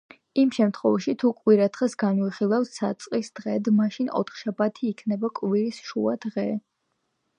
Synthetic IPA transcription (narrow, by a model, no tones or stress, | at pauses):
imʃɛmt̪ʰχɔvaʃit̪ʰukʼwiɾad̪χɛsɡanwiχilˠafsːa̰t̪sʼqʼisd̪̥ʁɛd̪maʃinɔ̰t̪ʰχʃabat̪ʰiːkʰnɛbakʼviɾisʃua̰d̪̥ʁɛ